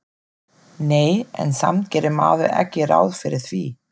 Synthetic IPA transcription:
neːjɛ̰nsa̰mt̪̚cɛːɾɪmaːvɪɛ̰cːɪɾa̰ːwðfɪɾɪɾ̥θvi

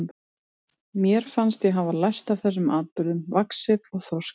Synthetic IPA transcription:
mjɛɾ̥fanst̪jɛɦavalajst̪av̥θɛsːʏmaːð̚pʏɾʏmvaksɪt̪ɔɣθɔs

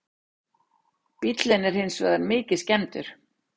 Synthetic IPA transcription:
pit̪lɪnɛɾ̥hɪnsvɛ̰ːðanmɪːcɪscɛnt̪ʏɾ̥

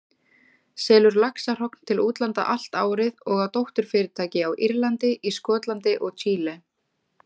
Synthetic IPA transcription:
sɛːlʏɾlaksar̥ɔkn̥t̪ʰɪluːt̪lant̪a̰ʔal̥t̪a̰ːwɾɪðɔɣawt̪owht̪ʏɾ̥fɪːɾɪt̪ʰaːjcɪawʔiɾlant̪ɪʔiskɔːt̪lant̪ɪʔɔɣt͡ɕʰiːlɛ

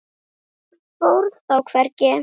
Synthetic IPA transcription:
fowɾðθawkʰvɛɾcɪ

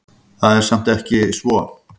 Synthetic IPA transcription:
θaðɛɾ̥sam̥t̪ɛhcɪsvɔ

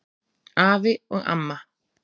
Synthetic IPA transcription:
aʋeoʔa̰ma

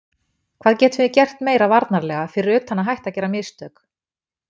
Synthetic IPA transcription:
kʰvaːðcɛːt̪vʏɪcɛr̥t̪meːjɾavaɾt̪naɾlɛɣafɪɾɪɾʏːt̪hanːaɦajht̪acɛːɾamɪst̪œːk

